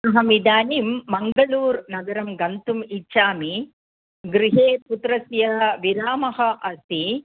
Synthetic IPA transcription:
ɐɦɐmid̪aːniːmːɐŋɡɐɭuːɾnɐɡɐɾɐmɡɐnt̪umit͡ʃːʃaːmi | ɡɾiɦeːput̪ɾɐsjɐʋiɾaːmɐɦɐʔɐst̪i

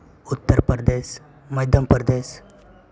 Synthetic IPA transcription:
ut̪ːəɾpəɾd̪es | məjd̪ʱjəmpəɾd̪es

